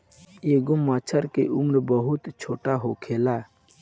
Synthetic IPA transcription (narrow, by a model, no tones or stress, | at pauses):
eɡʊmːaːt͡ʃʰəɾkḛʔʊmɾbəɦʊt̪t͡ʃʰoːʈaɦokʰeːlaː